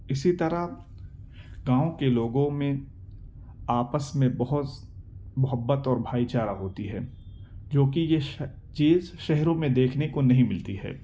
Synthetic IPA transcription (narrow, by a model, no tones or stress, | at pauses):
ɪsit̪ɐɾa | ɡãːõkeloːɡõmẽ | aːpəsmẽbɐɦʊt̪ | mʊɦəbːət̪ɔːɾbʱaːit͡ʃaːɾaɦoːt̪iɦɛː | d͡ʒoːkije | t͡ʃiːzʃɛɦɾõmẽd̪eːkʰnekonɐɦĩmɪlt̪iɦɛ̰ː